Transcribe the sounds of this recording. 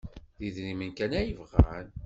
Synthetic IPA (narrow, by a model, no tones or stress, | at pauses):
ðiðnimənkænæjəvʁæ̰n